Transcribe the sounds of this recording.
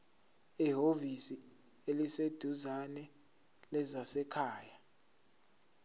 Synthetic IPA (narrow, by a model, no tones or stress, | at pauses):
iɦovisi | elised̥ʱuzanɛ | lɛzasɛkʰaːja